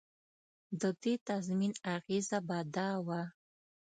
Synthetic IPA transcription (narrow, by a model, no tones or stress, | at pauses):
d̪əd̪et̪azminaɣizabad̪awa